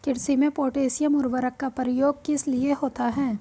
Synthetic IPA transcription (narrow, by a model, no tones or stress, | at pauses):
kɪɽsimẽpoːʈeːsɪjəmʊɾʋəɾəkːapəɾɪjoːɡ̚kɪslieɦoːt̪aɦɛː